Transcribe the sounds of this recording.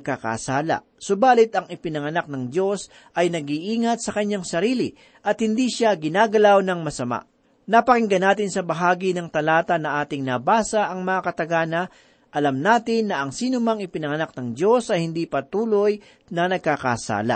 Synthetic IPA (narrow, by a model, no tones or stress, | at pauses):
ɡ̚kaka̰saːlɐ̰ | sʊbaːlɪt̪ɐŋɪpɪnɐŋɐnak̚nɐŋdjo̞s | ʔɐjnɐɡiʔiːŋɐt̪̚sɐkɐɲːaŋsɐɾiːlɪ | ʔɐt̪̚hɪnd̪iːʃaɡɪnaːɡɐlawnɐŋmɐsɐma̰ʔ | nɐpɐkɪŋɡɐnaːt̪̬ɪnsɐbɐɦaːɡinɐŋt̪ɐlaːt̪ɐnɐʔaːt̪ɪŋnɐbaːsɐʔɐŋmɐŋakɐt̪ɐɡaːnɐ | ʔɐlamnaːt̪ɪnːɐʔɐŋsiːnʊmɐŋɪpɪnɐŋɐnak̚nɐŋd̪jo̞sɐjhɪnd̪ipɐt̪uːloj | nɐnɐɡ̚kaka̰sa̰ːlɐ̰